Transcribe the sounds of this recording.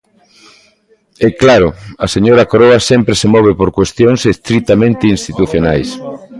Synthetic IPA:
ɛklaɾʊɐseɲoɾɐkoɾoasɛmpɾesemɔβ̞epoɾkwest̪joŋsest̪ɾit̪amẽnt̪ɪinst̪it̪uθjonajs

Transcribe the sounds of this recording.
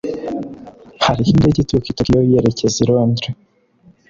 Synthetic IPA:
haɾihiːndeɟitukitaɾijoieɾeceziɾoːndɾe

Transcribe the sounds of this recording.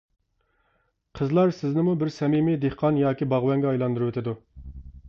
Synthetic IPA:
qʰəzlˠɑɾsɪznɪmubɪɾsɛmimid̪ehqʰɑnjɑːkʲibɑʁwɛŋɡʲɛɑjlˠɑnd̪uɾuwet̪ʰɪd̪u

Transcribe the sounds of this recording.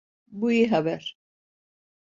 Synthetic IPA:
buiɦabɛɾ

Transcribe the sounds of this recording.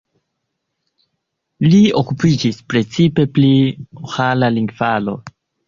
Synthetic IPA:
liokupid͡ʒispɾe̞t͡sipe̞pliohalaliŋɡvalo̞̰

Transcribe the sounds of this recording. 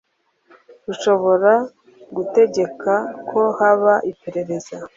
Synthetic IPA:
ɡuʃo̞βo̞ɾa | ɡute̞ɟe̞kʰakʰo̞haβaʔipe̞ɾe̞ɾe̞za

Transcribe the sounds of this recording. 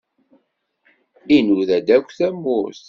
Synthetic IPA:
inuðæd̪ækʷːθæmːʊɾs

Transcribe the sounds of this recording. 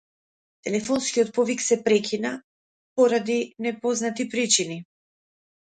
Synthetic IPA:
t̪ɛlɛfɔnskʲiɔt̪̚pɔviksɛpɾɛkʰʲina | pɔɾad̪inɛpɔznat̪ipɾit͡ʃini

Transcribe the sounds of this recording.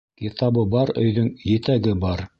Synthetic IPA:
kit̪ɑbɤbɑɾɵ̰̆jðɵŋjɘ̆t̪æɡɘbɑɾ

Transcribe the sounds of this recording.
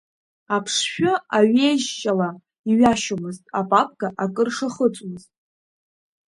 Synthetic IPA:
apʰʂʃᶣʊaɥe̞jʒt͡ʃʼala | iɥaʃomɨztʼapʼapʼɡaʔakʼɨrʂaχət͡sʷʼmɨztʼ

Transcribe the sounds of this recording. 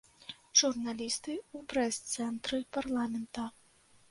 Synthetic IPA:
ʐ̥urnalʲist̪ɨupɾɛst̪sɛnt̪ɾɨparlˠamʲɛnt̪ɐ

